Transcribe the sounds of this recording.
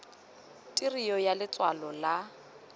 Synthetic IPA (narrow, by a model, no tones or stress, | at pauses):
tʼirijɔjalɪt͡sʼwalɔla